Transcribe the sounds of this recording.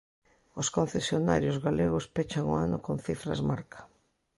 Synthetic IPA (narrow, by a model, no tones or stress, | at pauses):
oskõn̟θesjona̰ɾjozɣaleɣʊspet͡ʃaŋoanʊ̰kon̟θifɾɐ̰zmaɾkʰḁ